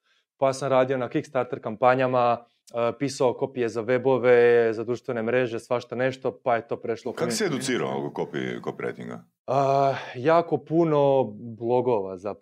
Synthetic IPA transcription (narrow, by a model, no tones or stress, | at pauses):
pajaːsamɾaːd̪io̞nakikst̪aɾt̪eɾkampaɲama | pisaoko̞pije̞zaʋe̞bo̞ʋezad̪ɾuːʃt̪ʋe̞ne̞mɾeʒe̞sʋaʃt̪one̞ʃt̪o̞pajet̪o̞ːpɾeʃlˠokakoseed̪usiːɾa̰o̰o̰kokopḭkopiɾḛjt̪ḭŋɡa̰ | əjaːko̞puno̞blˠo̞ɡo̞ʋaza